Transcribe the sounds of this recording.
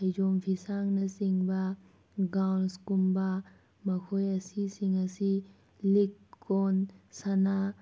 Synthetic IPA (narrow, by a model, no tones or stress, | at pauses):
ɐjd͡ʒompʰisaŋnɐsiŋbɐ | ɡawnskumbɐ | mɐkʰojɐsisiŋɐsi | likːonsana